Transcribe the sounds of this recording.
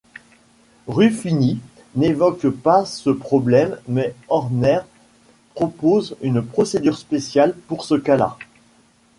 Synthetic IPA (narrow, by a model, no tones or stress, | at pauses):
ʁyfini | nevɔkpasəpχɔblɛmːɛɔʁnɛʁ | pχɔpozynpχɔsed̪yʁspesjalpuʁsəkala̰